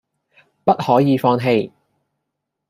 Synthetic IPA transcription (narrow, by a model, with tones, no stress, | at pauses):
pɐ˥t̚hɔː˨˥jiː˨˧fɔː˧ŋɦe˧j